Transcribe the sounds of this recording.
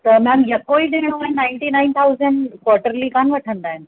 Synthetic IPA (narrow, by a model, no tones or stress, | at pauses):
t̪ɐmɛ̃mjɐkːoːid̪eːɽ̃õaːɦɪ̃nnaɪɳʈinaɪnt̪ʰauzəɳɖkwɔːɾʈəɾlikanʋɐʈʰənd̪aːɦɪn